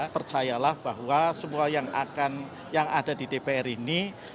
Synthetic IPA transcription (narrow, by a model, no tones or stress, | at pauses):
pərt͡ʃajalahb̥aɦwasəmuajaŋa̰kan | jaŋadadidepeɛrini